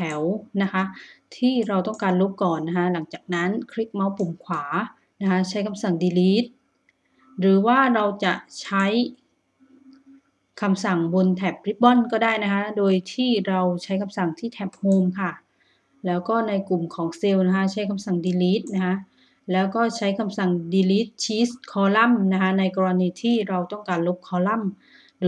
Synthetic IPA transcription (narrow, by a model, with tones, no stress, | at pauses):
ɛ˩˦wna˦˥kʰa˦˥t̪ʰiː˥˩ɾa˧wt̪ɔ˥˩ŋkaː˧nlu˦˥k̚kɔː˨˩nːa˦˥kʰa˦˥la˩˦ŋt͡ɕaː˨˩k̚na˦˥nkʰɾi˦˥k̚ma˦˥wpu˨˩mkʰwaː˩˦ | na˦˥kʰa˦˥t͡ɕʰa˦˥jkʰa˧msa˨˩ŋdiː˧liː˦˥t̪̚ | ɾɯː˩˦waː˥˩ɾa˧wt͡ɕa˨˩ʔt͡ɕʰa˦˥j | kʰa˧msa˨˩ŋbo˧nt̪ʰɛː˨˩p̚ɾi˦˥p̪̚bɔ˥˩nkɔː˥˩daː˥˩jna˦˥kʰa˦˥doː˧jt̪ʰiː˥˩ɾa˧wt͡ɕʰa˦˥jkʰa˧msa˨˩ŋt̪ʰiː˥˩t̪ʰɛː˨˦˩p̚hoː˧mkʰa˥˩ | lɛː˦˥wkɔː˥˩na˧jku˨˩mkʰɔː˩˦ŋse˧wna˦˥kʰa˦˥t͡ɕʰa˦˥jkʰa˧msa˨˩ŋdiː˧liː˦˥t̪̚na˦˥kʰa˦˥ʔ | lɛː˦˥wkɔː˥˩t͡ɕʰa˦˥jkʰa˧msa˨˩ŋdiː˧liː˦˥t̪̚t͡ɕʰiː˦˥st̪̚kʰɔː˧la˥˩mna˦˥kʰa˦˥na˧jkɔː˧ɾa˧niː˧t̪ʰiː˥˩ɾa˧wt̪ɔ˥˩ŋkaː˧nlo˦˥p̚kʰɔː˧la˥˩m | ɾɯ˩˨˦